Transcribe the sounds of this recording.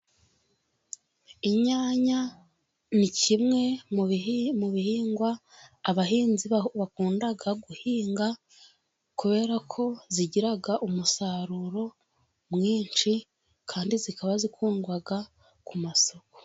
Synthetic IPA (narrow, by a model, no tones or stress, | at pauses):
iɲaːɲa | nicimŋe̞ | muβihiːŋɡwaː | βaɦiːnziβakuːndaɡaɡuhiːŋɡa | kuβe̞ːɾakʰo̞ziɟiɾaɡaʔumusaɾuɾo̞ | mŋiːnt͡ʃi | kʰaːndizikaβazikʰuːŋɡwaɡa | kumaso̞ko̥